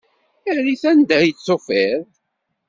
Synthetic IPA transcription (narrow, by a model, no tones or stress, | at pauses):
æɾiθænd̪æjət͡sːofɪɾ